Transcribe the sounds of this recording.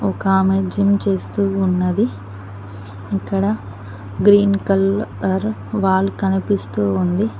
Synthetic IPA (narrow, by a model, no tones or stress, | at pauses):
ɔkaːmed͡ʒimt͡ʃe̞ːst̪uːnːɐd̪i | ikːɐɽɐ | ɡɾiːnkɐlɐɾʋaːɭːukɐnipist̪uːund̪i